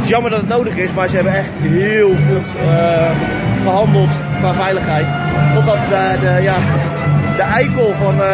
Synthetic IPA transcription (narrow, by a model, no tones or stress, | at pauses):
tɪsjɑməɹdɔtətⁿnowdəχɪsmaːɹzəɦɛbənɛχtɦɪːlˠχutə | bəɦɑndəlˠtnaːvɛjləχɦɛjt | tɔtdɑtədəja | dəʔɛjkəlˠvɑn